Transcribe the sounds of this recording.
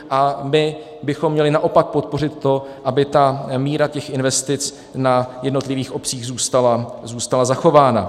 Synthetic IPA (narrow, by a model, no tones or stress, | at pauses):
ʔamɪ | bɪxo̞mːɲɛlɪnaʔo̞pak̚po̞t̪̚po̞r̝ɪt̪ːo̞ʔabɪt̪amiːɾacɛxʔɪnvɛst̪ɪt͡s | najɛdno̞t̪lɪviːxʔo̞pt͡siːɣzuːst̪alazuːst̪alazaxo̞vaːna̰